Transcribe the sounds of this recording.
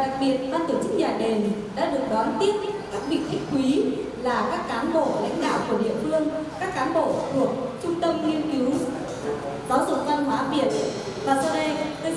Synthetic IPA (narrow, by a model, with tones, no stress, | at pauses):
ɗa˨˩k̚ɓi˨˩ət̚vaː˧t̪o˧˩t͡ɕɨ˦˥k̚ɲaː˨˩ɗe˨˩nɗa̰ː˧˥ɗɨ˨˩ək̚ɗwaː˨˦nt̪i˦˥ət̚kaː˦˥k̚ɓḭ˨˩t̪ʰï˧˥ŋ̟kwi˨˦ | laː˨˩kaː˦˥kːaː˨˦nɓo̰˧˨la̰˧˥jŋ̟ɗa̰ː˧˨wku˧˩əɗḭ˧˨əfɨ˧əŋkaː˦˥kːaː˨˦nɓo̰˧˨t̪ʰu˨˩ək̚t͡ɕʊ˧ŋ͡mt̪ə˧mŋi˧ənki˨˦w | t̪ɔ˨˦zʊ̰˧˩t̪a˧mmaː˨˦vi˨˩ən | vaː˨˩˧e˧